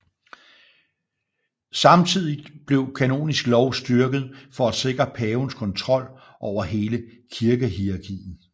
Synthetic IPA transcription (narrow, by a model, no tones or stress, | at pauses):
sɑ̈mt͡sʰið̰ˠid̥b̥le̝ʊkʰæno̝̰ːnisɡ̥lɒʊsd̥yɐɡ̥ð̞̩ˠfɒ̽æ̥se̝ɡ̥ʁɐpʰɛːʊn̩skʰɒ̽nt͡sʰʁɒ̽l̰ | ʔɒʊɐɦe̝ːləkʰiɐɡ̥əɦiɑ̈ɡʰḭːn̩